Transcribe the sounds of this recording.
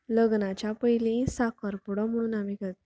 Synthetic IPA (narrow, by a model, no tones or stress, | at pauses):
ləɡnat͡ɕjapəjlĩsakəɾpuɽəm̤əɽ̃uːnamikat̪